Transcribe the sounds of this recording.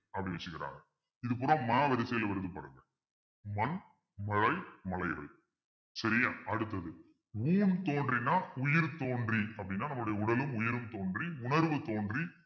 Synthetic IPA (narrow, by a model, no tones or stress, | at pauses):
ɐpːɐɽɪnʋɛt͡ʃːɯɣɪɾa̰ːŋɡɐ | ɪðɯpʊːɾõːmɐnaːʋɐɾɪsɐjɪlɐʋɐɾɯðɯpaːɾɯŋɡɐ | mɐn | mɐɻɐɪmɐlɐɪɣɐ̰ɭ | sɐɾɪjaːɐɽɯt̪̬ːɐðɯ | uːnt̪oːndrinːaːʊjɪɾt̪oːndriɐpːɐɽɪnːaːnɐmːɯʊɽɐjɐʊɽɐlɯmʊjɪɾɯmt̪oːndriʊnɐɾʋɯt̪oːɳdri